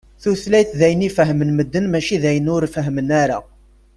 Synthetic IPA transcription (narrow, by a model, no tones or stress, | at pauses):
θuθlæjθðæjənifəɦmənməd̪ːənmæʃiðæjənʊɾfəɦmənæɾa̰